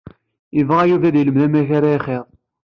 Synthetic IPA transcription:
jəvʁæjuvæd̪jələmðæmæçaɾaiχeðˤ

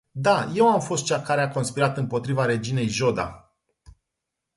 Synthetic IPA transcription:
d̪aje̞wamfo̞st̪̚t͡ʃʲakaɾeako̞nspiɾat̪ɨmpo̞t̪ɾivaɾe̞d͡ʒine̞jʒo̞d̪a̰

